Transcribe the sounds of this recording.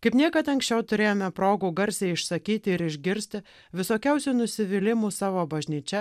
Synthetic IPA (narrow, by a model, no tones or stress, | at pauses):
kɐɪpniɛkɐt̪ɐŋksʲt͡ʃʲɛʊt̪ʊɾʲeːjoːmʲɛpɾoːɡuːɡɐɾʲsʲɛɪɪʃsɐkʲiːt̪ʲɪɪɾɪʒʲɡʲɪɾʲsʲt̪ʲɪ | ʋʲɪsoːkʲɛʊsʲuːnʊsʲɪʋʲɪlʲɪmuːsɑːʋoːbɐʒʲnʲiːt͡ʃʲɛ